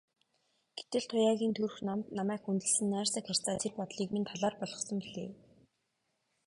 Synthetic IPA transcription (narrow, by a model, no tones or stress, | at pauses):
ɡ̥e̥t̪ɘ̆ɮt̪ʰʊjaːɣʲiːnt̪ʰurxnamt̪namæːkxunt̪ɘ̆ɮsɘ̆nːæːrsə̆kχar̥ʲt͡saːt̪ʰerpɔt̪ɮiːkment̪ʰaɮaːrpɔɮʁɞ̆χsɞ̆mpiɮḛː